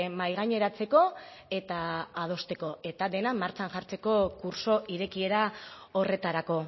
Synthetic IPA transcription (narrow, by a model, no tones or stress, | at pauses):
majɣ̞aɲe̞ɾat͡se̞ko̞e̞t̪aːð̞o̞st̪e̞ko̞e̞t̪aðe̞namaɾt͡ʃanʝaɾt͡se̞ko̞kuɾso̞ʔiɾe̞kie̞ɾao̞re̞t̪aɾako̞